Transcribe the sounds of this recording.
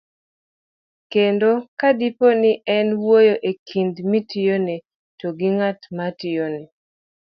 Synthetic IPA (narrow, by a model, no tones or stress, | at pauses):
kendokadiponɪʔɛnwojoʔekʰindmitɪjone | toɡɪŋatmatɪjone